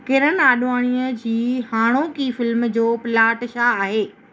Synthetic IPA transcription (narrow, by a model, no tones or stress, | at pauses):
kɪɾənaːɗʋaːɽ̃iːəd͡ʑiːhaːɽ̃okifɪlmd͡ʑoːpɪlaːʈʃaaːɦeː